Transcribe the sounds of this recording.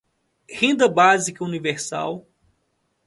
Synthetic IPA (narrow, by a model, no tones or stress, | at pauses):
hẽnd̪ɐbazikɐuniveɾsa̰w